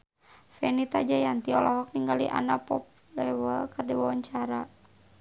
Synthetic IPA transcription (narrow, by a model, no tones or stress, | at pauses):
fɛnit̪ad͡ʒajant̪iɔlɔɦɔk̚niŋɡaliʔa̰napɔp̚ | lɛwəlkərdiwawaɲt͡ʃaɾa